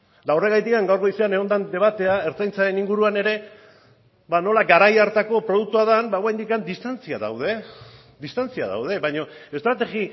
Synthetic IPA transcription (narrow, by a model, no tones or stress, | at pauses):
d̪awre̞ɣajt̪ikaŋɡawɾko̞iseaneo̞nd̪and̪e̞β̞at̪e̞ae̞ɾt͡sajnt͡saɾe̞niŋɡuɾuane̞ɾe̞ | bano̞laɡaɾajaɾt̪ako̞pɾo̞ð̞uk̚t̪uaðanbawajnd̪ikand̪ist̪ant͡sia̰ða̰wð̞e̞ | d̪ist̪ant͡sia̰ða̰wð̞e̞βaɲo̞e̞st̪ɾat̪e̞ɣi